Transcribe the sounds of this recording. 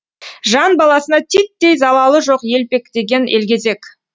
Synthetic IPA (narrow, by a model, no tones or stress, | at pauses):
ʒɑnbɑlˠɑsənɑt̪ʰit̪ːejzɑlˠɑlˠəʒo̞qje̞lpe̞kd̪e̞ɡʲe̞nʔe̞lɡʲe̞ze̞k